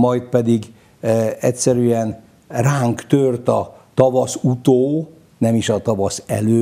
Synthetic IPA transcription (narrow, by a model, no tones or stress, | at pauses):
mɒjt̪̚pɛd̪iɡ | ɛcʲsɛɾyɛn | raːŋkt̪ørt̪ɒt̪ɒvɒsut̪oː | nɛmiʃɒt̪ɒvɒsɛ̰løː